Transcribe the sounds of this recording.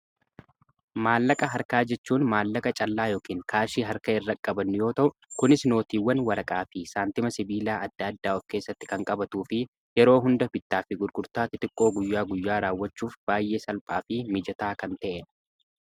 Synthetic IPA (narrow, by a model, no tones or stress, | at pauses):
maːlːɐkʼɐɦɐɾkaːd͡ʒɛt͡ʃːuːnmaːlːɐkʼɐt͡ʃʼɐlːaːjo̞ːkiːŋkʰaːʃiːɦɐɾkɐɪrːɐkʼːɐbɐnːɪjo̞ːt̪ɐʔʊkʊnɪsno̞ːt̪iːwːɐnwɐɾɐkʼaːfɪsaːnt̪ɪmɐsɪbiːlaːɐd̪ːaːɐd̪ːaːɔfke̞ːsːɐt̪ːɪ̥kɐŋkʼɐbɐt̪uːfɪ | jɛɾo̞ːɦʊnd̪ɐbɪt̪ːaːfɪɡʊɾɡʼʊɾt̪aːt̪ɪt̪ʼɪkʼːo̞ːɡʊjːaːɡʊjːaːɾaːwːɐt͡ʃːuːfb̥aːjːe̞ːsɐlpʼaːfɪmɪd͡ʒɐt̪aːkɐnt̪ɐʔɛ